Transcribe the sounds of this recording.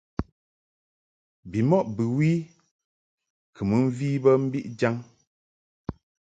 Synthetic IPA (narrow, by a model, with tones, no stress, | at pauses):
bi˨mɔ˦ʔbɨ˨wi˦ | kʰɨ˨mɨ˨˦m̩˦viː˦bə˦m̩˦bi˦ʔd͡ʒa˦ŋ